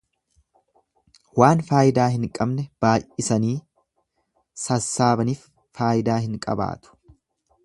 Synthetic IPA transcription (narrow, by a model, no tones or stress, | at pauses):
waːnfaːjɪd̪aːɦɪŋkʼɐbnɛb̥aːjʔʔʔɪsɐniː | sɐsːaːbɐniːfː | aːjɪd̪aːɦɪŋkʼɐ̰ba̰ːt̪ʊ̥